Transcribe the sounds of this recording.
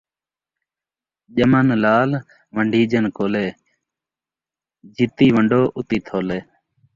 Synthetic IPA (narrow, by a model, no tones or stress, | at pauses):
ʄəmənlaːl | ʋəɳɖʱiːd͡ʒənkoːleː | d͡ʒɪt̪iːʋəɳɖoːʔʊt̪iːt̪ʰoːleː